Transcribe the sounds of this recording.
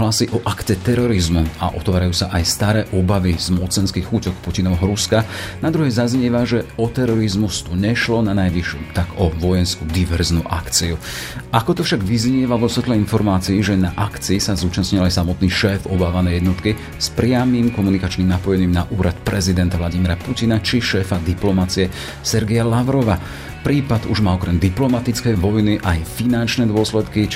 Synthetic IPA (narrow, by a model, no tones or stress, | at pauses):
ɦlasiʔɔʔakt͡sɛt̪ɛɾɔɾizmua̰ʔɔt̪ʋaːɾajuːsaʔajst̪aɾɛːʔɔbaʋizmɔt͡sɛnskixxucɔkpucinɔʋɛɦɔɾuskanad̪ɾuɦɛjzazɲɛʋaʒɛɔt̪ɛɾɔɾizmust̪uɲɛʃlɔnanajʋiʃuːt̪aɡɔʋɔjɛnskud̪iʋɛɾznuːʔakt͡siu | ʔakɔt̪ɔfʃaɡʋizɲɪɛʋaʋɔsʋɛt̪lɛinfɔɾmaːt͡siːʒɛnaʔakt͡siːsazuːt͡ʃasɲilajsamɔt̪niːʃɛːfɔbaːʋanɛjɛd̪nɔt̪ki | spɾɪamiːmkɔmunikat͡ʃniːmnapɔjɛniːmnaʔuːɾat̪pɾɛzid̪ɛnt̪aʋlaɟimiɾapucinat͡ʃiʃɛːfad̪iplɔmat͡siɛ | sɛɾɡɛjalaʋɾɔʋa | pɾiːpad̪uʒmaːɔkɾɛmd̪iplɔmat̪it͡skɛjʋɔjniʔajfinant͡ʃnɛd̪ʊɔslɛt̪ki